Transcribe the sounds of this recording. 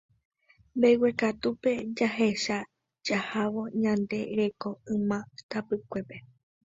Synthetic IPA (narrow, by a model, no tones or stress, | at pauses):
mbejwe̞kat̪upe̞d͡ʒaɦe̞ʃa | d͡ʒahaʋo̞ɲãnd̪e̞ɾe̞ko̞ɨ̃mãt̪apɨkʷe̞pe̞